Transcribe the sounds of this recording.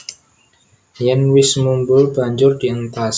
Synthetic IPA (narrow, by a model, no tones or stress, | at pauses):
jɛnwɪsmumbʊlbaɲd͡ʒʊrdiəŋt̪as